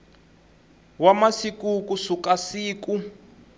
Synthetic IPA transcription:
wamasikukusukasiːku

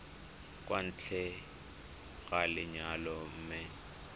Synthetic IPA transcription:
kʼwan̩t͡ɬʰɛ | ɣalɪɲalɔm̩ːmɪ

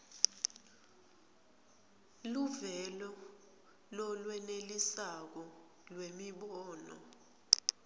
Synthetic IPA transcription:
luvɛlɔ | lɔlwɛnelisak̬ɔ | lwemiɓɔːnɔ̰

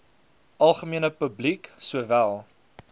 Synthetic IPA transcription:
ʔɐlˠχəmiənəpəbliksuəvælˠ

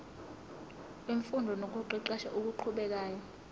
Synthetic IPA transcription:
iɱfundʱɔnok̬uǃiǃaʃa̰ʔuk̬uǃʰuɓɛk̬aːjɔ

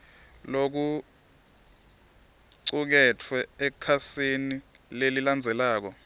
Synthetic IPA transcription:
lok̬u | ǀuk̬ɛtʰwɛɛkʰasinileliland͡zʱɛlaːk̬ɔ

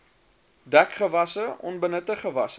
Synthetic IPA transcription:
dækχəvɐsəʔɔ̰nbənətəχəvɐsə

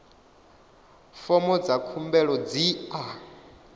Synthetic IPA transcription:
fɔmɔd͡zakʰumbɛɺɔd͡zia

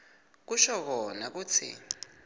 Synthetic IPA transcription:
k̬uʃɔk̬ɔnak̬uːt͡sʰḭ

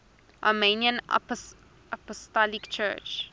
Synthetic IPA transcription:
ʔa̰meniə̃na̰p | apɔstɔlikt͡ʃɜ̰ːt͡ʃ

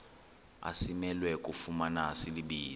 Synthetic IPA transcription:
a̰simɛlwɛkʼufumanasiliɓiː

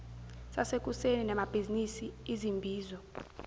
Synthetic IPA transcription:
sasek̬ʼuseninɛmab̥ʱizinisiizimbʱiːzɔ

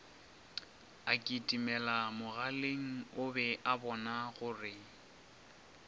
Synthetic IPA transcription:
akʼitʼimɛlamʊɣaleŋ̩ʊbɛʔabɔnaɣʊrɪ

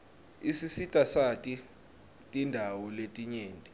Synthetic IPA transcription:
isisitʼasatʼi | tʼindʱawɔletʼiɲeːntʼi

